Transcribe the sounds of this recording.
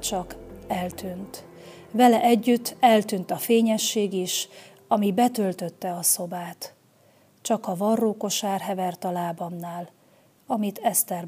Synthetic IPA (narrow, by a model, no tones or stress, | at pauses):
t͡ʃɒkɛlt̪ynt̪ | vɛlɛʔɛɟːyt̪ːɛlt̪ynt̪ɒfeːɲɛʃːeːɡiʃ | ɒmibɛt̪ølt̪ø̞t̪ːɛɒso̞baːt̪ | t͡ʃɒkɒvɒrːoːko̞ʃaːrɦɛvɛrt̪ɒlaːbɒmnaːl | ɒmit̪ʰɛst̪ɛr